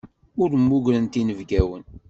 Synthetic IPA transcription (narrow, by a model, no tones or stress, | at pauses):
ʊɾmːuʝɾənt̪inəvɡæwən